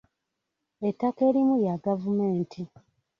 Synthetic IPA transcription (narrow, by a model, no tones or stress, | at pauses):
etːake̞ːɾimujaɡavumeːntʰi